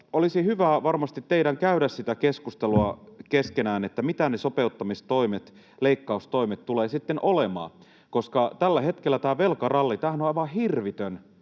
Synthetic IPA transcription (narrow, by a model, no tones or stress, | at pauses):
olisihyʋæʋɑrmɑst̪it̪teiɾæŋkæyɾæssit̪ækeskust̪eluɑkeskenæːnet̪ːæmit̪ænesopeut̪ːɑmist̪oimet̪ | leikːɑust̪oimet̪t̪uleːsit̪ːenʔolemɑ̰ː | koskɑt̪ælːæhet̪kelːæt̪æːʋelkɑrɑlːit̪æːhænoɑiʋɑhirʋit̪øn